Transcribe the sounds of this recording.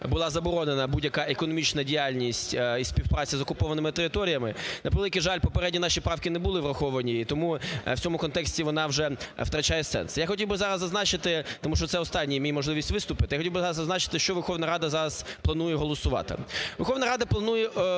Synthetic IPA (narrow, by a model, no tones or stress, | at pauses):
bʊlˠɑzɐbɔɾɔnenɐbudʲjɐkɑʔekɔnɔmʲit͡ʃnɐdʲijalʲnʲisʲtʲisʲpʲiwpɾɑt͡sʲizɔkʊpɔʋɐnɪmɪt̪eɾɪt̪ɔɾʲijɐmɪnɐpelˠɪkɪʒɑlʲpɔpeɾɛdʲnʲinɑʃipɾɑwkɪnɛbʊlˠɪʋrɐxɔʋɐnʲiit̪ɔmuw̥t͡sʲɔmʊkɔnt̪ɛksʲtʲiʋɔnɑwʒɛwt̪ɾɐt͡ʃajɛsɛ̰nsjaxɔtʲiwbɪzɑɾɐzːɐznɑt͡ʃɪt̪ɪt̪ɔmuʃt͡ʃɔt̪sɛɔst̪ɑnʲːijimʲijmɔʒlˠɪʋʲisʲtʲʋɪst̪ʊpɪt̪ɪjaxɔtʲiwbɪzɑɾɐzzɐznɑt͡ʃɪ̥t̪ɪʃt͡ʃɔʋerxɔʋnɐɾɑd̪ɐzɑɾɐzplˠɐnujɛɦɔlˠɔsʊʋɑ̰t̪ɪ̰ʋerxɔʋnɐɾɑd̪ɐplˠɐnujɛ